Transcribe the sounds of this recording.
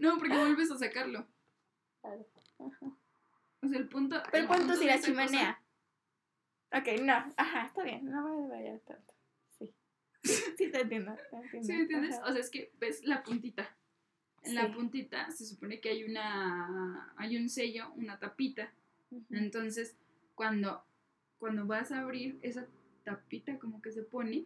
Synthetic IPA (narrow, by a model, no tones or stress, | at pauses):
no̞po̞ɾkeβwelβes̬as̬akaɾlo̞ | klaɾo | axa | es̬aelpunt̪oeokkwant̪oiɾasimanea | okejnoaxaest̪aβjenːoβajaðeβaʝa̰ɾt̪a̰nt̪o̥ | si | sit̪ent̪jend̪at̪ent̪esient̪jend̪esoseaeske̞beslapunt̪it̪a | lapunt̪it̪a̰ses̬uponekeajuna | ajunse̞ʝo̞unat̪apit̪a | ent̪ons̬es | kwand̪o | kwand̪oβasaːβɾiɾesa | t̪apit̪akomokese̞pone